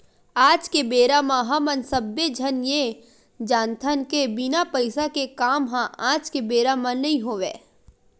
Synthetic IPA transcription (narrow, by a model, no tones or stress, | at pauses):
aːd͡ʒkebeːɾamãɦɐmənsəbːed͡ʒʱənje | d͡ʒaːnt̪ʰənkebɪnapəɪsakekaːmɦãʔaːd͡ʒkebeːɾamãnɐɦĩɦoːʋeː